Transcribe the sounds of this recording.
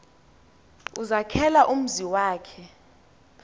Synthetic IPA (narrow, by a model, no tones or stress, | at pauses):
uzakʰɛlaʔum̩ziwaːkʰɛ